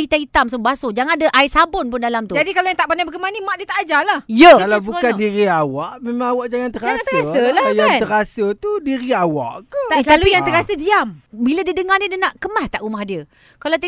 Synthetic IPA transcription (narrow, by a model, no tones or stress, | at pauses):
it̪ait̪amsəbasod͡ʒaŋadəʔaisabʊnpʊndalamt̪ud͡ʒadikalawjaŋt̪aʔpandabəɡəmanimaʔdiət̪aʔad͡ʒalahjəkalawbukandiɾiawaʔmemãŋawaʔd͡ʒaŋant̪əɾast̪asəlahjat̪əɾasət̪udiɾiawa̰ʔkət̪alujaŋəɾasədiambilədiədəŋahnidənaʔkəmaht̪aʔumahdiə | kalat̪ə